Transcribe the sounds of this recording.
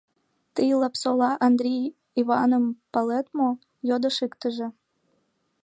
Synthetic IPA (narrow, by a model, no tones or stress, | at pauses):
t̪əjlˠɑpsolɑʔɑnd̪ɾʲij | ivɑnəmpɑlet̪mo | jod̪əʃikt̪əʒĕ